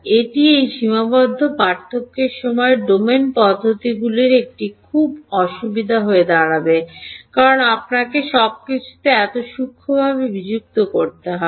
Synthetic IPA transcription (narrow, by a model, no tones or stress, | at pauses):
eʈiejʃimabɔd̪ʱːopaɾt̪ʰokːeɾʃɔmɔeɖomenpɔd̪ʱːot̪iɡuleɾek̚ʈikʰubɔʃubid̪ʱaɦoed̪aɽabekaɾonap̚nakeʃɔb̚kit͡ɕʰu̥t̪eɛt̪oʃukʰːobʱaβebid͡ʑuk̚t̪okoɾt̪eɦɔe